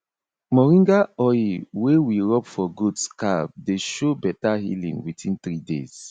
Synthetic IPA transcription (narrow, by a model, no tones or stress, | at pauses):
mɔɹĩŋɡaɔjiwewiɹɔpfɔɡudskab̚deʃobɛtahḭlḭ̃ŋwitʰĩnθɾidḛz̥